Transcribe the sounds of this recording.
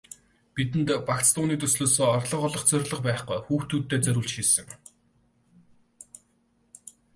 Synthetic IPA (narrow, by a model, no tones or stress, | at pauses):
pit̪̬ɘ̆nt̪pakt͡st̪ʊːniːt̪ɵsɮoːsoːɔrɮɞ̆χɔɮɞ̆χt͡sœrʲɮə̆qpæːχqujxuːxt̪uːt̪ːeːt͡sœɾʲuːɮt͡ɕʃiːsɘ̆ŋ